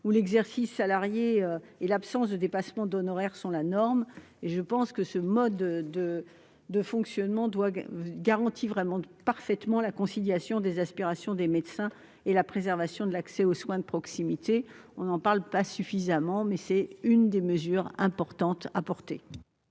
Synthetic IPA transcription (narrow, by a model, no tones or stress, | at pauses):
ulɛɡzɛʁsisːalaʁjeø | elapsɑ̃sd̪əd̪epasmɑ̃d̪ɔnɔʁɛʁsɔ̃lanɔʁm | eʒəpɑ̃skəsəmɔd̪d̪ə | d̪əfɔ̃ksjɔnmɑ̃d̪waɡaʁɑ̃t̪ʰivʁɛmɑ̃paʁfɛt̪mɑ̃lakɔ̃siljasjɔ̃d̪ezaspiʁasjɔ̃d̪emet̪sɛ̃ | elapχezɛʁvasjɔ̃d̪əlaksɛoswɛ̃d̪əpχɔksimit̪e | ɔ̃nɑ̃paʁlpasyfizamɑ̃mɛsɛynd̪eməzyʁɛ̃pɔʁt̪ɑ̃t̪a̰pɔʁt̪e